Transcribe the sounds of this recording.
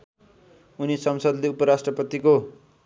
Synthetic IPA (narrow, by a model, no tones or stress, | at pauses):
unisʌmsʌd̪leupʌɾasʈrʌpʌt̪iko